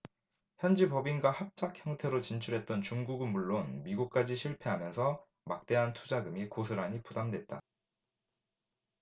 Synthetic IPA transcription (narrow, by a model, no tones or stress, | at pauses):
çjʌnd͡ʑipʌbinɡwahap̚t͡ɕ͈akʰçjʌŋtʰe̞ɾot͡ɕint͡ɕʰuɾɦe̞t̚t͈ʌnt͡ɕuŋɡuɡɯnmuɭːonmiɡuk̚k͈ad͡ʑiɕʰiɭpʰe̞ɦamjʌnsʰʌ | mak̚t͈e̞ɦantʰud͡ʑaɡɯmikos̬ʰɯɾaɲipudamdwe̞t̚t͈a̰